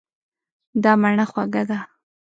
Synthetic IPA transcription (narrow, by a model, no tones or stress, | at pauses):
d̪ɑmaɳaxwaɡad̪a